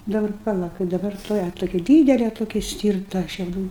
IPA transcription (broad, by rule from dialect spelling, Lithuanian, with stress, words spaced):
dɐˈbɐr pɐˈlˠɐ kɐɪp dɐˈbɐr tuɔˈjɛ toːˈkʲɪ ˈdʲiːdʲɛlʲɛ toːˈkʲɪ ˈsʲtʲiːrtɐ ʃʲɛʊˈduː